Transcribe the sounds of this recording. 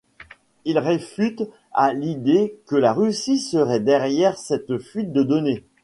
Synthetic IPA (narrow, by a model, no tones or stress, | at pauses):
ilʁefyt̪ | a̰lid̪ekəlaʁysisəʁɛd̪ɛʁjɛʁsɛt̪fɥit̪̚d̪əd̪ɔne